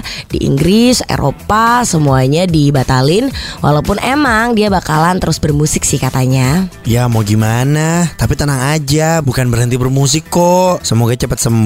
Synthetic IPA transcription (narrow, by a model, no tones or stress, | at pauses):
dḭʔḭŋɡɾɪsḛɾʔo̰pasəmuaɲadibat̪alɪnwʔa̰laupʊnʔemaŋdiabakalant̪əɾʊsbərmusɪk̚sɪhkat̪aɲajamoɡimanat̪apit̪ənaŋad͡ʒabukanbərɦənt̪ibərmus̬ikːosəmoɡat͡ʃəpat̪̚səmb